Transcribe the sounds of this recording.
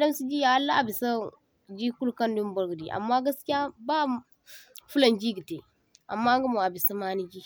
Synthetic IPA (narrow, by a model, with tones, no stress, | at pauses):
a˨da˦msi˦d͡ʒi˦ja˨a˦lːa˦ʔa˨bi˨sa˦ | d͡ʒi˦ku˦lka˦ndu˦m˦bo˦ɾɡə˨di˨ʔa̰˨mːa˦ɡa˦ski˦ja˦ba˦ | fu˦la˨nd͡ʒi˦ɡə˨te˨ | a̰˨mːa˦ŋɡə˦mo˨a˨bi˨sa˦ma˦ni˦d͡ʒi˦